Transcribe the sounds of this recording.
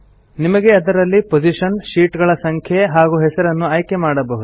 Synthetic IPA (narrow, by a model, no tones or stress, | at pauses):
nimɐɡe̞ɐd̪ɐɾɐlːipod͡ʒiʃɐnʃiːʈɡɐɭɐsɐŋkʰjeɦaːɡuɦɛsɐɾɐnːuaːjke̞maːɽɐbɐɦud̪u